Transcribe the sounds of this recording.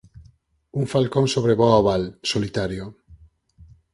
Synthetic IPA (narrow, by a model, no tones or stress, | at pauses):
uŋfalkoŋsoβ̞ɾeβɔaβalsolit̪aɾjo